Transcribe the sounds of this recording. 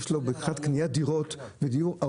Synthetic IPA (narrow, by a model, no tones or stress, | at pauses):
ʃlobeχat̪knijad̪iʁot̪ved̪ijuʁa